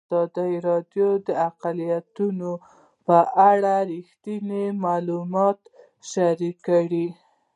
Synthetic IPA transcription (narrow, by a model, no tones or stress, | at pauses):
ɑd̪ajɾɑd̪jod̪əaqalijat̪uno | pəʔaɽaɾixt̪inimɑlumɑt̪ | ʃaɾikːaɽi